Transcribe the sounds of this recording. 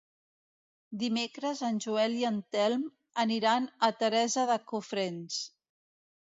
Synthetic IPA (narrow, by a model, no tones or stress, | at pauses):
d̪imekɾəzənʲʒuɛliənt̪ɛlˠm | əniɾanət̪əɾɛzəðəkufɾens